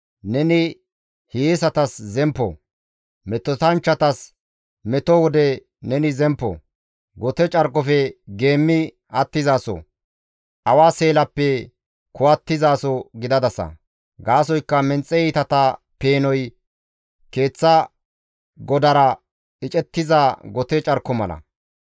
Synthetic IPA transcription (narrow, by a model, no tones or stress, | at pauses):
nɛnɪ | hijesɐt̪ɐszɛmpːɔ̰ | mɛt̪ːɔt̪ɐnt͡ʃːɐt̪ɐs | mɛt̪ɔwɔd̪ɛ | nɛnɪzɛmpːɔ̰ | ɡɔt̪ɛt͡ʃʼɐɾkʼːɔfɛɡe̞ːmːɪ | ɐt̪ːɪzaːsɔ̰ | ʔɐwaːse̞ːlɐpːɛ | kʊwɐt̪ːɪzaːsɔɡɪd̪ɐd̪ɐsɐ̰ | ɡaːs̬ɔjkːɐmɛnt͡sʼːɛit̪ɐt̪ɐ | pe̞ːnɔj | ke̞ːt͡sːɐ | ɡɔd̪ɐɾɐ | ɪt͡ʃʼɛt̪ːɪzaːɡɔt̪ɛt͡ʃʼɐɾkːɔmɐlɐ̰